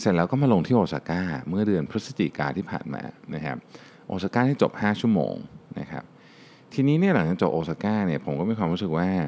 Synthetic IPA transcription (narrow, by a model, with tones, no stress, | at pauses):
se˨˩t̪lɛː˦˥wkɔː˥˩maː˧lo˧ŋt̪ʰiː˥˩ʔoː˧sa̰˧˩kaː˥˩mɯ˥˩ɐdɯ˧ənpʰɾɯ˦˥t̚sḁ˧t͡ɕḭ˨˩ka̰ː˧t̪ʰiː˥˩pʰa̰ː˨˩nma̰ː˧na˦˥kʰa̰˦˥p̚ | ʔoː˧saː˧kaː˥˩iː˥˩t͡ɕo˨˩p̚haː˥˩t͡ɕʰu˥˩əmo̰ː˧ŋna̰˦˥kʰa̰˦˥p̚ | t̪ʰiː˧niː˦˥ni˥˩ɐla˨˩˦ŋt͡ɕa˧˩t͡ɕo˨˩p̚ʔoː˧saː˧kaː˥˩ni˥˩ɐpʰo˩˦mkɔː˥˩mi˧˥˩kʰwaː˧mɾu˦˥sɯ˨˩k̚waː˥˩